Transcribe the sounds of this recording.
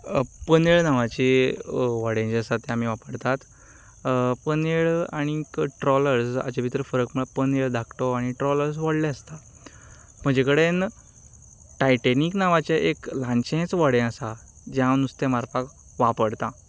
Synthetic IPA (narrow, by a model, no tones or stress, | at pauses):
pəneɭnaʋat͡ɕe | ʋaɽẽt͡ɕeəsat̪ːɛam̤iːʋapəɽt̪at̪ | pəneɭaɽ̃ikʈɾɔləɾsa̰t͡ɕabʱit̪ɾəfəɾəkm̤əɭapəneɭd̪ʱakʰt̪oaɽ̃iʈɾɔləɾs̬ʋəɽlẽəst̪a | m̤əd͡ʑekəɽen | ʈajʈeniknaʋat͡ɕjaʔeklãɲt͡ɕẽt͡sʋəɽẽəsa | d͡ʑjãnust̪emaɾpak | ʋapəɽt̪ã